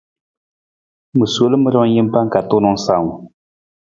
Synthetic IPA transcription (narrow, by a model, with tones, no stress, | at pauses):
mɨ˨slɨ˦mɨ˦ɾɔ˦ŋ˦ji˦m˦pa˦ŋ˦ka˨tʊ˦nɔ˦ŋ˦sa˨ŋʊ˨